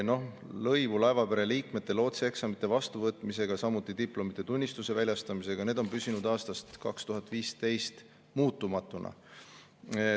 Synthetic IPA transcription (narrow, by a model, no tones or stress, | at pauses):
no̞lɤ̞jvulɑevɑpeɾe̞liːkme̞t̪ːˑe̞lo̞ːt̪seeksɑmit̪ːˑe̞vɑst̪uvɤːt̪ˑmise̞ɡ̥ɑsɑmut̪ːˑid̪iplo̞mit̪ːˑe̞t̪unʲːist̪use̞vælʲjɑst̪ɑmise̞ɡ̥ɑne̞ːd̪̥o̞nmpysinud̪̥ɑːst̪ɑst̪kɑkst̪uɦɑt̪ːˑviːst̪e̞jst̪ | muːt̪ːˑumɑt̪ːˑunʔɑ̰